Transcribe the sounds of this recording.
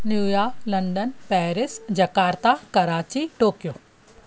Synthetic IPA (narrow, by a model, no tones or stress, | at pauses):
njuːjaːlɐ̃ɳɖənpɛːɾɪsd͡ʑɐkaːɾt̪akɐɾaːt͡ɕiʈoːkijoː